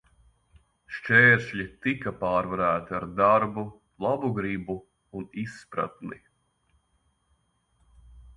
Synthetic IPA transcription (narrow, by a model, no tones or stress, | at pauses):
ʃt͡ʃɛːɾʃʎʲit̪ikapaːɾvaɾæːt̪iaɾd̪aɾbu | lˠabuɡɾibu | unisːpɾa̰t̪ni